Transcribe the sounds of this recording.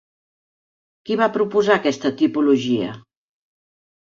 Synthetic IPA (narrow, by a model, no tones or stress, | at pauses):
kiβapɾupuzakɛst̪ət̪ipuluʒiə̰